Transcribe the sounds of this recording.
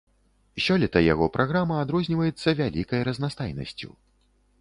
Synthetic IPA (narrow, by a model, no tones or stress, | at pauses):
sʲɔlʲɛt̪ɐja̰ɣɔpɾʔaɣɾamɐːd̪ɾɔzʲnʲivɐjɛt̪sːɐvʲalʲikɐjɾɐznast̪ajnɐ̰sʲt͡sʲṵ